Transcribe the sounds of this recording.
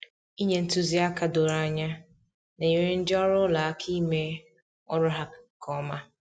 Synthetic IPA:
i˦ɲẽ˨n̩˦tʰu˦zi˦a˦kʰa˨do˨ɾa˨a˨ɲa˦ | nã˨je˨ɾɪ˦n̩˦dɪ˦ɔ˦ɾʊ˦la˨a˨kʰi˦me˦ | ɔ˦ɾʊ˦ɦa˨kʰɔ˨˦mã˦

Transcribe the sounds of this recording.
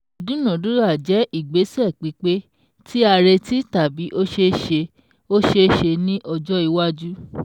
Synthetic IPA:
o˨dũ˨˦nɔ̃˨dũ˨˦ɾa˦˨d͡ʒɛ˨˦i˦˨ɡ͡be˨˦sɛ˦˨k͡pi˨˦k͡pe˦ | ti˦a˧ɾe˧ti˦ta˨bi˨˦ʔo˦ʃe˧ʃe˧ | o˦ʃe˧ʃe˧nĩ˦ʔɔ˧d͡ʒɔ˦i˧wa˦d͡ʒu˦

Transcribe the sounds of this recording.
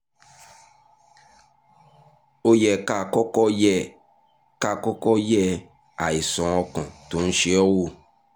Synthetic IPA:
o˦jɛ˨ka˦˨kɔ˦kɔ˦jɛ˦˨ | ka˦˨kɔ˦kɔ˦jɛ˦ | a˨i˨sɔ̃˨ɔ˧kɔ̃˨to˨˦n̩˦ʃe˦ɔ˦wo˦˨

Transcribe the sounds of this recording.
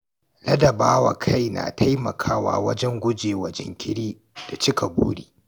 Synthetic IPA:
lɐ˦dɐ˨baː˦wa˨kʰa˦jna̰˨tʰa˦jmɐ˨kʰaː˦wa̰ː˦wɐ˦d͡ʒɛ˦ŋɡʷʊ˦d͡ʒeː˨wɐ˦d͡ʒɛ̰˦ŋkʲɪ˦ɽiː˦ | d̥a˨t͡ʃɪ˦ka˨bṵː˦ɽiː˦

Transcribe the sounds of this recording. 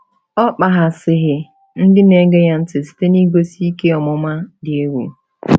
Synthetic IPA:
ɔ˦k͡pa˨ɦa˨sɪ˨ɦɪ˨ | n̩˦dɪ˦ne˨ɡe˦ja˦n̩˦tɪ˨si̥˦te˦ni˦ɡo˦si˦i˦ke˦ɔ˨mʊ˦ma˦dɪ˨e˦wṵ˨

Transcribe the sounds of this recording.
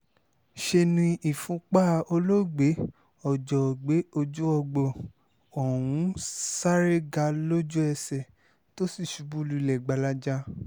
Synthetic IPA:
ʃe˧nĩ˧ʔi˨fũ˨˦k͡pa˦˧o˧lo˦˨ɡ͡be˨˦ | ɔ˨d͡ʒɔ˨ɡ͡be˨˦o˧d͡ʒu˦ɔ˧ɡ͡bɔ˦˨ | ɔ˨w̃ũ˨˦sa˦ɾe˦ɡa˧lo˦d͡ʒu˦ɛ˧sɛ˨ | to˦si˦˨ʃu˧bu˦lu˧˨lɛ˨ɡ͡ba˨˧la˦d͡ʒa˦

